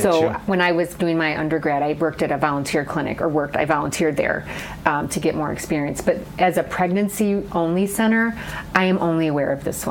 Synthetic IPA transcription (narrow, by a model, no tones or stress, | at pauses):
soʊwə̃ñaɪwʌzdʉɪ̃ŋmaɪʔʌ̰̃ndə˞ɡɹæɾaɪwɜ˞k̚tɨɾɨvɑlˠə̃ntʰɪɹ̚kʰl̥ɪ̃nɨ̰kə˞wɜ˞k̚ta̰ɪvɑlˠə̃ntʰɪɹd̪̚ðə̰˞ | tʰɨɡɛʔ̚mɔɹɨ̰kspɪɹiɨ̃nsb̥ʌɾʔɨzɨpʰɹ̥ɛɡ̚nɨ̃nsiʔõʊ̃nlisɛ̃ɾ̃ə˞ʔaɪɨ̃mʔõʊ̃nliəwɛɹʌvðɪ̰swʌ̰̃